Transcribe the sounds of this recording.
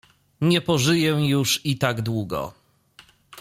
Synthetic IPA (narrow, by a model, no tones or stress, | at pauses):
ɲɛpɔʐɘjɛjuʂit̪aɡd̪wuɡɔ̰